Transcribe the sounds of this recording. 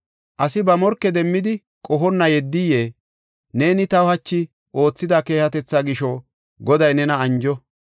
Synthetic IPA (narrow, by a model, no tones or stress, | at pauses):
ʔɐsɪbɐmɔɾkːɛd̪ɛmːɪd̪ɪ | kʼɔɦɔnːɐjɛd̪ːije̞ː | ne̞ːnɪt̪ɐwhɐt͡ʃːɪ | ʔo̞ːt͡sːɪd̪aːke̞ːhɐt̪ɛt͡sːaːɡɪʃɔ | ɡɔd̪ɐjnɛnɐɐnd͡ʒɔ